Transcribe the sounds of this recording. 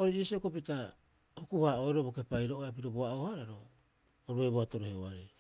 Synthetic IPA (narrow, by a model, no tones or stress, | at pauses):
oɾiisiokopita | hokuhaoeɾobo̞ke̞pajɾoʔoeapiɾoboaohaɾaɾo | oɾuejboato̞ɾoheoaɾej